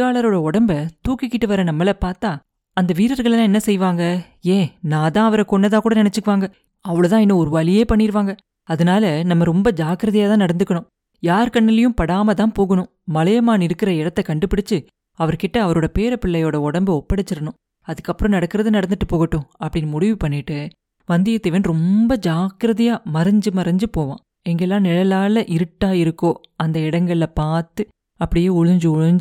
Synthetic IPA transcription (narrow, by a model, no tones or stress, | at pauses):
aːɭɐɾoːɽɐɔɽɐmbɐt̪uːkɪkːɪʈːɯʋɐɾɐnɐmːɐlɐpaːɾt̪ãː | ɐnd̪ɐʋiːɾɐɾɣɐɭɛlãːɛnːɐsɛjʋaːŋɡɐ | eːnãːt̪ãːɐʋɐɾɐkɔɳːɐðaːkuːɽɐnɪnɛt͡ʃːɯkːɯʋaːŋɡɐ | ɐʋɐɭt̪ãːɪɛnːɐɔɾɯʋɐlɪjeːpɐɳːɪɾɯʋaːŋɡɐ | ɐðɐnaːlɐnɐmːɐɾɔmbɐd͡ʒaːkɪɾɐðɐjaːt̪ãːnɐɽɐnd̪ɯkːɐɳʊ̃ | jaːɾkɐɳːɪlɪjɯ̃mpɐɽaːmɐt̪ãːpoːɣɐɳʊ̃ | mɐlɐjɐmaːnɪɾɯkːɪɾɐɪɽɐt̪ːɐkɐɳɖɯpɪɽɪt͡ʃːɯ | ɐʋɐɾkɪʈːɐːʋɐɾoːɽɐpeːɾɐpɪɭːɐjoːɽɐɔɽɐmbɯɔpːɐɽɐt͡ʃːɪɾɐɳʊ̃ | ɐðɯkːɐpːɯɾɐ̃nɐɽɐkːɪɾɐðɯnɐɽɐnd̪ɯʈːɯpoːɣɐʈːʊ̃ɐpːɐɽɪnːɯmʊɽɪʋɯpɐɳːɪʈːɯ | ʋɐnd̪ɪjɐt̪ːɪʋɐnɾɔmbɐd͡ʒaːkɪɾɐðɪjaːmɐɾɐɲd͡ʒɯmɐɾɐɲd͡ʒɯpoːʋã̰ː | ɛŋɡɐɛlːãːnɪlɐlaːlɐʔɪɾɯʈːaːɪɾɯkːoːɐnd̪ɐɪɽɐŋɡɐɭɪlɐpaːɾt̪ɯ | ɐpːɐɽɪjeːʊɻʊɲd͡ʒɯʊɻʊɲd͡ʒ